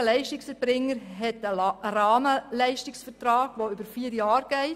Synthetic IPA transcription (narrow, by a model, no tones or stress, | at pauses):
əlɛɪʃtɪksɛɾbɾɪŋːəɾɦɛtəɾɑːməlɛɪʃtɪksfəɾtɾɑːɡ̥ʋoʏbəɾfiːɾjɑːɾɡ̥ɛɪ